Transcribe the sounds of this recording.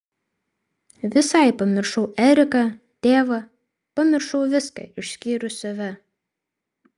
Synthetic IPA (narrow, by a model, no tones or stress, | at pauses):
ʋʲɪsɐˑɪpɐmʲɪɾʃɐʊʔɛɾʲɪkɐ | t̪ʲeːʋɐ | pɐmʲɪɾʃɐʊʋʲɪskɐ̰ɪʃʲsʲkʲiːɾʲʊsɐʋʲɛ